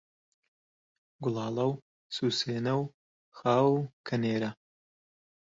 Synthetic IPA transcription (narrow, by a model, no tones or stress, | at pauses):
ɡʊlˠɑːlˠɐw | suːseːnɐw | xaːwkʰɐneːɾɐ